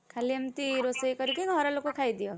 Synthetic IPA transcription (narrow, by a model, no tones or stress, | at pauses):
kʰaliʌmt̪iɾosʌjkʌɾikeɡʱʌɾalokokʰajd̪ijo